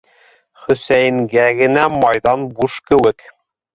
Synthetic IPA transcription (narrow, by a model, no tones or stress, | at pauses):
χɵ̆sæjɘ̆ŋɡæɡɘ̆næmɑjðɑnbuʃkɘ̆wɘk